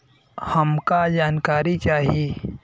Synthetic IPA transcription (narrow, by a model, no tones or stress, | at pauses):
hɐmkad͡ʒaːnkaːɾit͡ʃaːɦieː